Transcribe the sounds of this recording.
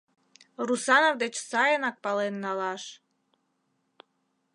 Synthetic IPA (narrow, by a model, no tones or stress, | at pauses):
rusɑnovd̪et͡ɕsɑjənɑk̚pɑlenːɑlɑʃ